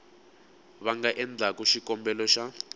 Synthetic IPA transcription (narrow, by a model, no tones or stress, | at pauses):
βaŋɡaʔɛnd͡ɮʱakuʃikɔmbɛlɔʃa